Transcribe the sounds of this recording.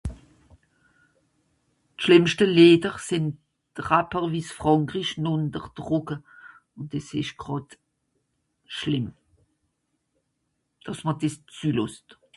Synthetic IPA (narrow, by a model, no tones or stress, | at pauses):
tʃlɪmʃtəleːdəʁsɪnt | d̥ʁapəʁviːsfʁ̥ɑŋkʁiʃnʊndəʁd̥ʁʊɡə | ʊntɛsɪʃɡ̥ʁɑt | ʃlɪm | d̥ɑsməd̥ɪst͡syːlʊst